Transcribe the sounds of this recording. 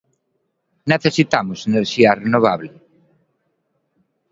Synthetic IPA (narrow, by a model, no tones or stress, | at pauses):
neθesit̪amoseneɾʃiarenoβ̞aβle